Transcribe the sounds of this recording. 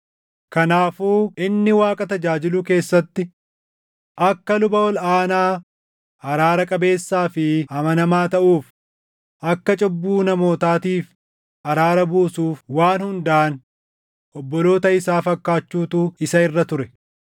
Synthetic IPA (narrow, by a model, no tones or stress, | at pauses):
kɐnaːfuːɪnːɪwaːkʼɐt̪ɐd͡ʒaːd͡ʒɪluke̞ːsːɐt̪ːɪ | ʔɐkːɐlʊbɐɔlaːnaː | ɐɾaːɾɐkʼɐbe̞ːsːaːfɪɐmɐnɐmaːt̪ɐʔuːf | ʔɐkːɐt͡ʃʼɔbːuːnɐmo̞ːt̪aːt̪iːf | ʔɐɾaːɾɐbuːsuːfwaːnhʊnd̪ɐʔɐn | ʔɔbːɔlo̞ːt̪ɐɪsaːfɐkːaːt͡ʃːuːt̪uːɪsɐɪrːɐt̪ʊɾɛ